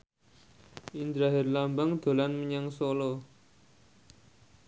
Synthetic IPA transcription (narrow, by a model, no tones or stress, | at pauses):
ind̪ɾaɦɪrlambaŋd̪̥o̤lanməɲaŋsolo